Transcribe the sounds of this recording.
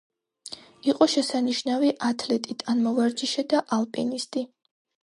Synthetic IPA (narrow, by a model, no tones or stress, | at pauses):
iqʼɔʃɛsaniʃnaviʔat̪ʰlɛt̪ʼit̪ʼanmɔvaɾd͡ʒiʃɛd̪aʔalˠpʼḭnist̪ʼi